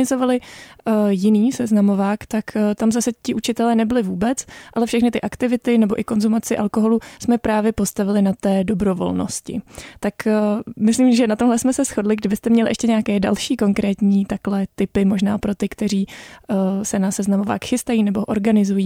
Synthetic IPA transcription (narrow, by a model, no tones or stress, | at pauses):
ɪzovalɪ | jɪniːsɛznamo̞vaːkt̪akt̪amzasɛcɪʔut͡ʃɪt̪ɛlɛːnɛbɪlɪvuːbɛt͡sʔalɛfʃɛxnɪt̪ɪʔakt̪ɪvɪt̪ɪnɛbo̞ʔɪko̞nzumat͡sɪʔalko̞ɦo̞lusmɛpɾaːvjɛpo̞st̪avɪlɪnat̪ɛːdo̞bɾo̞vo̞̰lno̰scɪ̰t̪akmɪsliːmʒɛnat̪omɦlɛsmɛsɛsxo̞dlɪɡdɪbɪst̪ɛmɲɛlɪʔɛʃcɛɲɛakɛːda̰lʃiːko̞ŋkɾɛːt̪ɲiːt̪aklɛt̪ɪpɪmo̞ʒnaːpɾo̞t̪ɪkt̪ɛɾiː | sɛnasɛznamo̞va̰ːkxɪst̪ajiːnɛbo̞ʔoɾɡanɪzujiː